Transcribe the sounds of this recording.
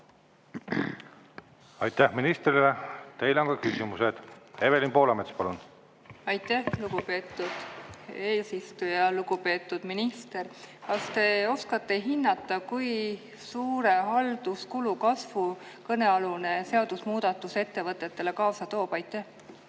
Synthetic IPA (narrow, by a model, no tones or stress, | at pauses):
ɑjt̪ːæhminist̪rilet̪e̞jleoŋkɑkysimused̪̥eve̞linpo̞ːlɑmet̪spɑlun | ɑjt̪ːˑæhluɡ̥upe̞ːt̪ːˑud̪̥e̞ːsist̪ujɑluɡ̥upe̞ːt̪ːˑud̪̥minist̪e̞rkɑst̪e̞o̞skɑt̪ːˑe̞ɦinːɑt̪ːˑɑkuj | suːɾe̞ɦɑld̪uskulukɑsvu | kɤne̞ɑlune̞se̞ɑd̪̥usmuːd̪̥ɑt̪ːˑuse̞t̪ːe̞vɤt̪ːˑe̞t̪ːe̞le̞kɑːsɑt̪o̞ːpɑjt̪ːˑæh